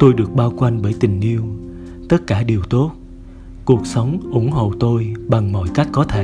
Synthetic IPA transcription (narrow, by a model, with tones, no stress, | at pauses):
t̪o˧jɗɨ˨˩ək̚ɓaː˧wkwa˧jŋɓəː˧˩jt̪ï˨˩ŋ̟ʔi˧əw | t̪ə˦˥t̚kaː˧˩ɗi˨˩əwt̪o˦˥t̚ | ku˨˩ək̚sə˨˦wŋ͡mʔʊ˧˩ŋɦo̰˧˨t̪o˧jɓa˨˩ŋmɔ̰˧˨jka˦˥jk̟̚kɔ˨˦t̪ʰe˧˩